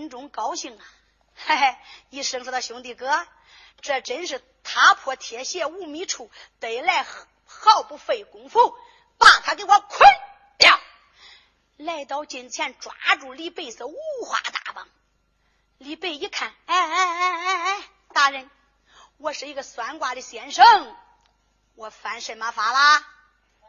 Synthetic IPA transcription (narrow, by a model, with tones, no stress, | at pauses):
nʈ͡ʂʊ˧˥ŋkɑ˥ʊɕi˥˩ŋɐ˩ | e˥˧˩ɪi˥˩ʂə˥˩ŋʂɔ˧˥˧d̪ɑ˧˩ɕjʊ˧˥ŋt̪̬i˧˥˩kɤ˥ | ʈ͡ʂɤ˥˩ʈ͡ʂə˧˥nʂɻ̩˥˩ | t̪ʰa˧˥pʰwɔ˧˥t̪ʰjɛ˨˧˥ɕjɛ˥˧u˥˩mi˧˥ʈ͡ʂʰu˨˩˦t̪e˨˩ɪla˥˧ɪ | xɑ˥˧ʊpu˥˧fe˥˩ɪkʊ˧˥ŋfu˥˩ŋ | pa˥˩ŋt̪ʰa˥ke˧˥ɪwɔ˧˥kʰwə˥n | ljɑ˥˩ʊ | la˥˩ɪt̪ɑ˧˥ʊt͡ɕi˨˩nt͡ɕʰjɛ˥˩nʈ͡ʂwa̰˧˥ʈ͡ʂu˨˩li˥˧pe˥˩ɪsə˧˥u˥˩xwa̰˧˥t̪a̰˧˩pɑ̰˧˩ŋ | li˥˧pe˥˧ɪi˥˧kʰa˨˩na˥˩˥ | t̪a˧˥ɻə˧˥n | wɔ˧ʂɻ̩˧i˧˥ɡə˧swa˧˥nkwa˧˩d̪ə˧ɕjɛ˧˥nʂɤ˥˩ŋ | wɔ˨˩fa˧˥nʂe˨˩ma˧˥fa˧˥la˧